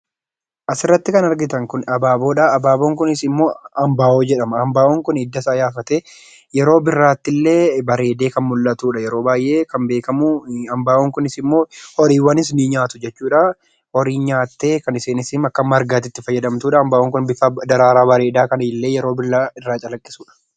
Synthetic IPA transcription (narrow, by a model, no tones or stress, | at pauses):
ʔɐsɪrːɐt̪ːɪkɐnɐɾɡɪt̪ɐŋkʊnɐbaːbo̞ːᶑaɐbaːboːŋkʊnɪsɪmːo̞ːɐmbaːʔoːd͡ʒɛᶑɐmɐɐmbaːʔoːŋkʊnɪd̪ːɐsaːjaːfɐt̪eː | jɛɾo̞ːbɪrːaːt̪ːɪlːe̞ːbɐɾe̞ːd̪e̞ːkɐnmʊlːɐt̪uːᶑɐjɛɾo̞ːbaːjʔe̞ːkɐmbe̞ːkɐmʊɐmbaːʔoːŋkʊnɪsɪmːo̞ːhɔɾiːwɐnɪs̬niːɲaːt̪ʊd͡ʒɛt͡ʃːuːᶑa | ɔɾiːɲaːt̪ːe̞ːkɐnɪseːnɪsɪmɐkːɐmːɐɾɡaːt̪ɪt̪ːɪfɐjːɐd̪ɐmt̪uːᶑɐːmbaːʔoŋkʊnbɪfad̪ɐɾaːɾaːbɐɾe̞ːd̪aːkɐnɪɪlːe̞ːjɛɾo̞ːbɪrːaːɪrːaːt͡ʃʼɐlɐkʼːɪ̥suːᶑɐ̥